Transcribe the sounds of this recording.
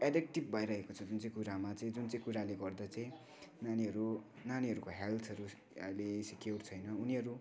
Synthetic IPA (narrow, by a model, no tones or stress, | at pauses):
aɖek̚ʈib̚ːʱʌjɾʌɦekot͡sʰʌd͡zunt͡sʌ̃j̃kuɾamat͡sʌĩd͡zunt͡sʌ̃j̃kuɾaleɡʌrd̪at͡sʌĩ | naniɦʌɾu | naniɦʌɾukoɦelt̪ʰʌɾu | lesikjort͡sʰʌjnʌuniɦʌɾu